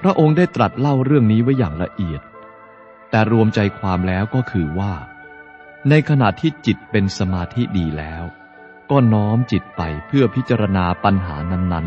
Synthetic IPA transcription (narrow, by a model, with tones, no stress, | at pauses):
pʰɾa˦˥ʔo˧ŋdaː˥˩jt̪ɾa˨˩t̪̚la˥˩wɾɯ˥˩əŋniː˦˥wa˦˥jːaː˨˩ŋɾa̰˧ʔi˨˩ət̪̚ː | ɛː˨˩ɾu˧əmt͡ɕa˧jkʰwaː˧mlɛː˦˥wkɔː˥˩kʰɯː˧waː˥˩ | na˧jkʰa˧na˨˩t̪ʰːiː˥˩t͡ɕi˨˩t̪̚pe˧nsa˧maː˧t̪ʰi˦˥diː˧lɛː˦˥w | kɔː˥˩nɔː˦˥mt͡ɕi˨˩t̪̚pa˧jpʰɯ˥˩ɐpʰi˦˥t̪t͡ɕa˧ɾa˧naː˧pa˧nɦaː˩˦na˦˥nːa˦˥n